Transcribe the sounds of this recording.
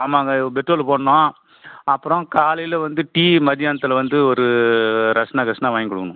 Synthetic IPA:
aːmaːɡɐbɛʈɾoːlpoːɳnõː | ɐpːɯɾɔ̃kaːlɐjɪlʋɐnd̪ɯʈiːmɐd̪ɪjaːnɐt̪ːɐlɐʋɐnd̪ɯɔɾɯɾɐʂnaːkɾɐʂnaʋaːŋɡɪkɔɽɯkːɐnʊ̃

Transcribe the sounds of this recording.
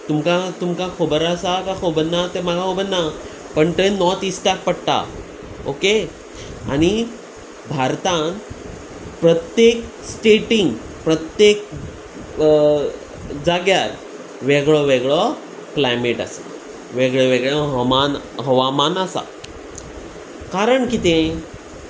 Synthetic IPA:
t̪umkat̪umkakʰobəɾasakakʰobənːat̪eməɡakobənːa | pəɳt̪enɔt̪isʈafpəɽt̪a̰ | oke | añi | bʱaɾt̪ãn | pɾət̪jek | sʈeʈiŋɡ | pɾət̪jek̚ | d͡zaɡjaɾ | ʋeɡɭɔʋeɡɭɔ | klajmeʈa̰sa | ʋeɡɭɔʋeɡɭãɦmanɦəʋamanəsa̰ | kaɾəɳkit̪ẽ

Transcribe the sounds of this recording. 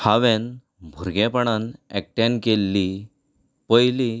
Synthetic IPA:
haʋɛ̃n | bʱuɾɡẽpəɳanɛ̰k̚ʈãnkelːi | pəjli

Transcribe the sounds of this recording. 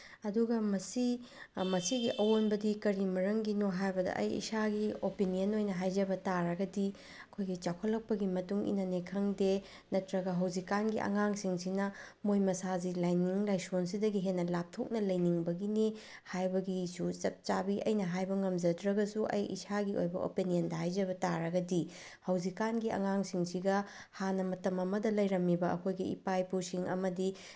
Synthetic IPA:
ɐduɡɐmɐsi | mɐsiɡiʔɐwonbɐdikɐɾimɐɾɐŋɡinoɦajbɐdɐ̰ʔɐ̰jḭsaɡiopinijɐnojnɐɦajd͡ʒɐbɐtaɾɐɡɐdi | ɐkʰojɡit͡ʃakʰolːɐk̚pɐɡimɐtuŋḭnɐnekʰɐŋde | nɐtɾɐɡɐɦɐwzikːanɡiʔɐ̰ŋaŋsiŋsinɐ | mojmɐsazilajniŋlajsons̬idɐɡiɦenːɐlap̚tʰok̚nɐlɐjniŋbɐɡine | hajbɐɡisut͡ʃɐt̚t͡ʃabiʔɐ̰jnɐɦajbɐŋɐmd͡ʒɐdɾɐɡɐsuʔɐ̰jḭsaɡio̰jbɐ̰ʔo̰pinijɐndɐɦajd͡ʒɐbɐtaɾɐɡɐdi | hɐwzikanɡiɐ̰ŋaŋsiŋsiɡɐ | hanɐmɐtɐmɐmɐdɐlɐjɾɐmːibɐɐ̰kʰojɡiḭpajpusiŋɐ̰mɐdi

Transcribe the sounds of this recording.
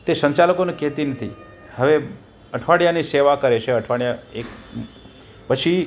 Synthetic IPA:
t̪esə̃ɲt͡ʃaləkonekɛɦt̪inət̪ʰi | həʋe | əʈʰʋaɽjaniseʋakəɾet͡ʃʰeəʈʰʋaɽjaek | pət͡ʃʰi

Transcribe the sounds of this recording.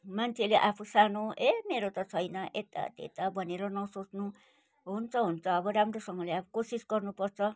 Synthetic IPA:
mant͡sʰeleʔapʰusanoʔemeɾot̪ʌt͡sʰʌjnaʔet̪a̰t̪ḛt̪abʌneɾʌnʌsot͡snũ | ɦunt͡sʌɦunt͡sʌːbʌɾamɾosʌŋɡʌleapʰu̥kosisɡʌrnupʌɾt͡sʰʌ

